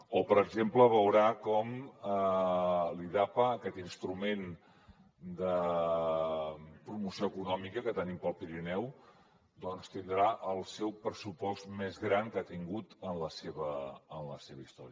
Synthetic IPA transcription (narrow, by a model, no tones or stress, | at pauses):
opəɾəɡzempləβ̞əwɾakɔmə | liðapaːkɛt̪inst̪ɾumen | d̪ə | pɾumusioəkunɔmikəkət̪ənimpəlˠpiɾinɛw | d̪ɔnst̪ind̪ɾaʔəlˠsɛwpɾəsupɔst̪mezɣɾaŋkat̪iŋɡut̪ənləseβəːnləseβəist̪ɔɾiə